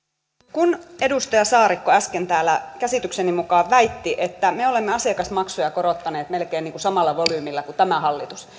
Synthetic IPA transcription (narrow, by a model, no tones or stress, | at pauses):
kune̞dust̪ɑjɑsɑːɾikːoæskent̪æːlːækæsit̪yksenimukɑːʋʋæit̪ːiʔet̪ːæmeo̞lemːeɑsekɑsmɑksojɑkoɾot̪ːɑne̞ːt̪me̞lkeːniːŋkusɑmɑlːɑʋolyːmilːɑkut̪æmæɦɑlːit̪us